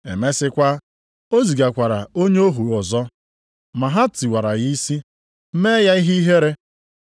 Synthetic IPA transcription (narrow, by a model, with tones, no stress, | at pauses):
ḛ˨me˦sɪ˦kʷa˦ | o˦zi˨ɡa˨kʷa˨ɾa˨o˦ɲe˦o˦ɦu˨ɔ˨zɔ˦ | ma˨ɦa˦ti˨wa˨ɾa˨ɣi˦si˦ | m̩˦me˦ja˦i˦ɦi˦i˦ɦe˦ɾe˦